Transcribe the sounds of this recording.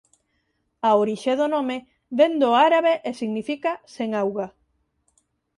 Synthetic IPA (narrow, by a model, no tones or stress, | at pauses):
aoɾiʃeðonõme | βend̪oaɾaβeʔesiɣnifikaseŋawɣa